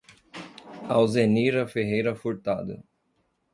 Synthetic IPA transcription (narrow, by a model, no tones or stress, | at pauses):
awzeniɾɐfeɦejɾɐfuɾt̪ad̪ɐ̰